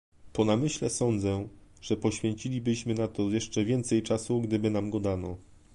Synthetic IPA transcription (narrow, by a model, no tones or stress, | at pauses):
pɔnamɘɕlɛsɔnd̪zɛʐ̥ɛpɔɕfʲɛɲt͡ɕilʲibɘɕmɘnat̪ɔjɛʂt͡ʂɛvʲjɛnt̪sɛjt͡ʂasuɡd̪ɘbɘnamɡɔd̪anɔ